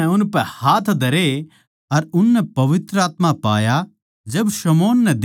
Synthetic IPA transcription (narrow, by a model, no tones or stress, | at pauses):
ɛʊnpɛhaːt̪ʰd̪ʱɐɾe | ɐɾʊnːɛpɐʋɪt̪ɾəaːt̪mapa̰ːja | d͡ʒɐbsɐmoːnːɛd̪